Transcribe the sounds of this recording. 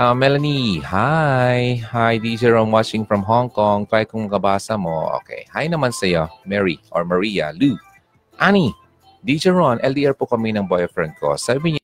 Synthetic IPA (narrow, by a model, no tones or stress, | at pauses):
ɐmɛlɐnihajhajd̪id͡ʒɛɹonwat͡ʃɪŋfɹɐmɦoŋkoŋpajɪkʊŋmɐkɐbaːsɐmoʔo̰ːkɛ̰jhajnɐmansɐjomɛɹiʔoɹmɐɹijɐ̰lu | ʔani | d̪id͡ʒɛɹonʔɛld̪iʔɛɹpokɐminɐŋbojɐfɾɛnd̪̚ko̰sabɪɲ